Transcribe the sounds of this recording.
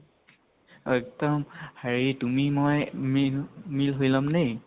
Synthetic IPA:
ɛk̚tɔmhaɹitumimojmimilɦojlɔmnej

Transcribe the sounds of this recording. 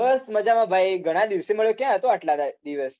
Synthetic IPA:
əsməd͡ʒamãbʱajɡʱəɽ̃ad̪iʋseməɭjokjãat̪oaʈlad̪ad̪iʋəs

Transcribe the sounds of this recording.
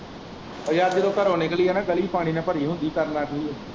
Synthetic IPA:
əjaːd̪eɾoːkəɾoːneːkəliːɦɛːnãːɡəliːpaːɽ̃iːnãːpəɾiːɦʊ̃nd̪iːkəɾnaːkeiɛː

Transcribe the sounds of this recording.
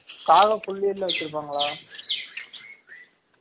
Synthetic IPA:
kaːɣɐkɔɭːɪjɐɾlːɐ̃ʋɐkːɪɾɯp̬ːaːŋɡɐɭaː

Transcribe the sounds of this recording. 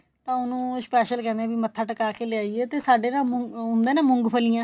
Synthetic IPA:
t̪ãːʊnũːspɛːʃəlkɛ̃ːnd̪ɛ̃ːbiːmət̪ʰːaːʈəkaːkeːlɪaːieːt̪eːsaːɖeːnãːmʊʊ̃nd̪eːnẽːmʊ̃ŋɡpʰəlijãː

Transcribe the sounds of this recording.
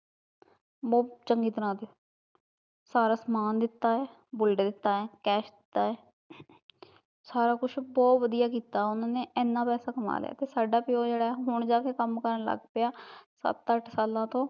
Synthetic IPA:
bɔːt͡ʃəŋɡiːt̪əɾãːd̪eoː | saːɾaːsmaːnd̪ɪt̪ːaːɛː | bʊlɖeːd̪ɪt̪ːaːɛːkɛːʃd̪ɪt̪ːaːɛː | saːɾaːkʊʃʰbɔːt̪ʋəd̪ijaːkiːt̪aːɛʊnãːnẽːɛːnːãːpɛːsaːkəma̰ːl̰ja̰ːt̪eːsaːɖaːpɪoːd͡ʒeːɽaːɛɦʊɳd͡ʒaːkeːkəmkəɾəɳlə̰ɡpɪjaːsə̰t̪əʈʰsaːlãːt̪õː

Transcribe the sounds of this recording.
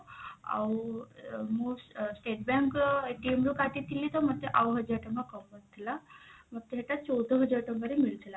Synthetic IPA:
a̰w | mussʈeʈbãŋkʈimɾukat̪it̪ilːit̪ɔmət̪eʔawɦəd͡ʑəɾʈəməkəmbət̪ʰːilaməɡ̚t̪eɦeʈ̪at͡ɕɔwd̪əɦəd͡ʑəɾʈəmbəɾemilt̪ʰla

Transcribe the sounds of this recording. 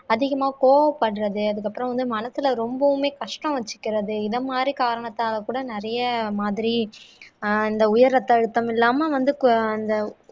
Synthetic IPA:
ɐðɪɣɐmaːkoːʋɐpːɐɽɯɾɐðɯɐðɯkːɐpːɯɾɐ̃ʋɐnd̪ɯmɐnɐsɪlɐɾɔmbɐʋɯmeːkɐʂʈɐ̃ʋɐt͡ʃːɯ̥kːɪɾɐðɯɪðɐmaːd̪ɾikaːɾɐɳɐt̪ːaːɣɐkuːɽɐnɪɾɐjɐmaːðɪɾi | ɪnd̪ɐʊjɐɾɾɐt̪ːɐɽɯt̪ːɐmɪlːaːmɐʋɐnd̪ɯɪnd̪ɐ

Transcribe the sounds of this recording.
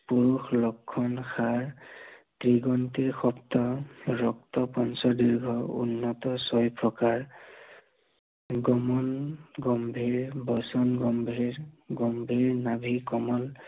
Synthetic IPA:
puɹuxlɔkʰːɔnxʰaɹtɹiɡɔntiɹxɔptɔɹɔk̚tɔpɔnsɔdiɹɡʱɔṵnːɔtɔsɔjpʰɹɔkaɹ | ɡɔmɔnɡɔmbʱiɹbɔsɔnɡɔmbʱiɹɡɔmbʱiɹnabʱikɔmɔl

